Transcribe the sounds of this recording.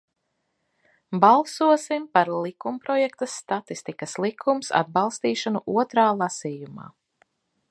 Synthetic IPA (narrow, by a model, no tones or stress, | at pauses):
balˠsuɔsimpaɾlˠikumpɾɔjɛkt̪ɐsːt̪at̪ist̪ikɐslˠikʰumsa̰d̪̚bɑlˠst̪iːʃanuʔuɔt̪ɾaːlˠasiːjuma̰ː